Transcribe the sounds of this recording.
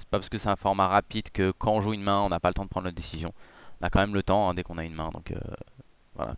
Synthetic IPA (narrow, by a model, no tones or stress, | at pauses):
sɛ̥papaʁskəsɛɛ̃fɔʁmaʁapid̪kəkʰɑ̃ɔ̃ʒuynmɛ̃ɔ̃napalət̪ɑ̃d̪əpχɑ̃d̪ʁnəd̪esizjɔ̃ɔ̃nakɑ̃mɛmlət̪ɑ̃ɛ̃d̪ɛkɔ̃naynmɛ̃d̪ɔ̰̃kø̰ | vwa̰la̰